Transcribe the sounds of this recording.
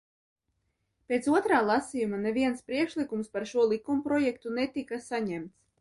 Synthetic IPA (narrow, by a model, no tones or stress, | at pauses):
pʲet̪suɔt̪ɾaːlˠasijumaneviɛnspɾiɛkʃlˠikumspaɾʃuɔlˠikumpɾɔjɛk̚t̪unet̪ikasaɲɛmt̪s